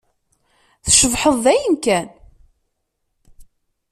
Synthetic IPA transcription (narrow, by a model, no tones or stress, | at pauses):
θʃəvħəðˤðæjənkæn